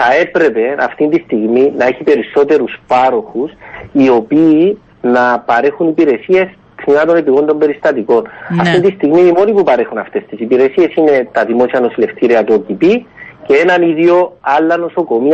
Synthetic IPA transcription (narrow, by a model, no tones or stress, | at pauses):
θɐe̞pɾe̞pe̞ɐ̰ft̪int̪ist̪iɣminɐeçipe̞ɾiso̞t̪e̞ɾuspɐɾo̞xusio̞piː | nɐpɐɾexunipiɾe̞sie̞s | kniɐt̪o̞nepiɣo̞nd̪o̞mbe̞ɾist̪ɐt̪iko̞nɐft̪ind̪ist̪iɣmiimo̞nipupɐɾe̞xunɐft̪e̞st̪isipiɾe̞sie̞sine̞t̪ɐðimo̞siɐno̞sile̞ft̪iɾiɐt̪uocipiceenɐniðio̞ɐlːɐno̞so̞ko̞mi